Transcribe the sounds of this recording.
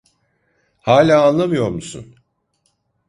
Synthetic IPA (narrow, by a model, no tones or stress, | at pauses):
haːlʲaːanlˠamɯjo̞ɾmusṵn